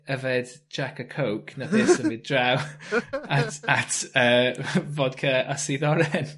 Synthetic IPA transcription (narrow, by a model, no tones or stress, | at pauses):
əvɛd | d͡ʒakəkʰowkʰnapʰɪːsəmvɪd̚draw | atatʰəːvɔd̥̚kʰəasiðɔɾɛn